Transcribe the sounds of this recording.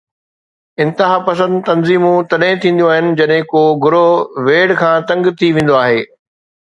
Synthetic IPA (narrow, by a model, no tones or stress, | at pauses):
ɪ̃nt̪ɪɦaːpɐsə̃nd̪t̪ɐnziːmũt̪ɐɗɦɪ̃t̪ʰĩːn̆d̪joaːɦɪnɪ̆d͡ʑɐɗɦɪ̃koːɡʱʊɾoʋeːɽkʰãːt̪ɐ̃ŋɡt̪ʰiʋẽːnd̪oaːɦeː